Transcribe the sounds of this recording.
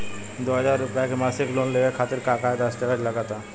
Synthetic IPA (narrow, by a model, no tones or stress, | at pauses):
d̪uɦad͡ʑaɾupakemaseklonleɡekʰat̪eɾkakaed̪asʈ̪ekad͡ʑlaɡat̪a